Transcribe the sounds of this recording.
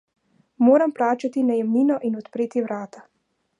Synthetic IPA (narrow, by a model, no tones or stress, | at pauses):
moːɾamplaːt͡ʃat̪inajɛmniːnɔʔinɔt̪pɾeːt̪iwɾaːt̪a